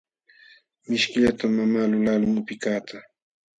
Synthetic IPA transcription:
mɪʃkɪʎat̪amːamaːlʊlalʊmʊpɪkaːt̪a

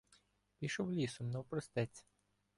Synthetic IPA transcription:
pʲiʃɔwlʲisʊmnɐwpɾɔst̪ɛt͡sʲ

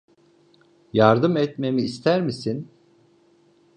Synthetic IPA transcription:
jaɾd̪ɯmɛt̪me̞miːst̪ʰæɾmisin

